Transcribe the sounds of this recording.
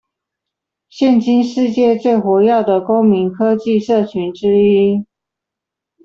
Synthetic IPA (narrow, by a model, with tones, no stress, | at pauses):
ɕjɛ˥˨nt͡ɕi˥nʂɻ̩˥˧t͡ɕjɛ˥˧t͡swe˥˩ɪxwɔ˧˥jɑ˥˩ʊd̪ə˩ko˥ʊmi˨˧˥ŋkʰɤ˥t͡ɕi˥˧ʂɤ˥˩t͡ɕʰy˧˥nʈ͡ʂɻ̩˥i˥